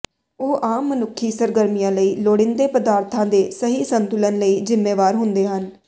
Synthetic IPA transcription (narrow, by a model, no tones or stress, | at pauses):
oːʔaːmːənʊkʰːiːsəɾɡəɾmijãːləiːloːɽɪ̃nd̪eːpəd̪aːɾt̪ʰãːd̪eːsəɦiːsənt̪ʊlənləiːd͡ʒɪmːeːʋaːɾɦʊ̃nd̪eːɦən